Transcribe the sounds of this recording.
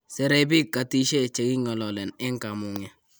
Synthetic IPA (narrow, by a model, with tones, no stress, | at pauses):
sɛ˨ɾɛ˦bi˦kːa˨ti˦ʃe˦˨t͡ʃe˨ki˦ŋɔ˨lɔ˨lɛ˨nɛ˦ŋka˨mu˨ŋɛ˨